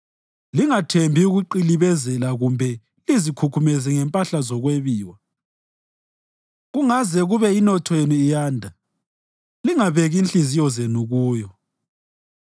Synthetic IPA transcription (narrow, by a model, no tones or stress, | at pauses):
liŋatʰembʱiuɣuǃiliβɛzɛlaɣumbʱɛ | lizikʰukʰumɛzɛŋɛmpʼaɬazɔɣweβiːwa | ɣuŋazɛɣuβɛinɔtʰɔenuijaːndʱa | liŋaβeɣiːnɬizijɔzenuɣuːjɔ